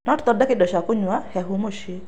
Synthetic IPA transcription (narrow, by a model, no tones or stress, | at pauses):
nɔtt̪ɔdakɪdɔʃakʊɲwahɛɦʊmoʃe